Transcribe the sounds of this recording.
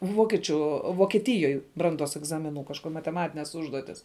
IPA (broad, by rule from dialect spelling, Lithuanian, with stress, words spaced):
ˈʋoːkʲiɛt͡ʃʲʊ ʋoːkʲiɛˈtʲɪjoːj ˈbrɐnˌduɔs ɛɡˈzɑːmʲɪˌnʊ kɐʃˈkoː mɐtʲɛˈmɑːtʲɪnʲɛs ˈʊʒduɔtʲɪs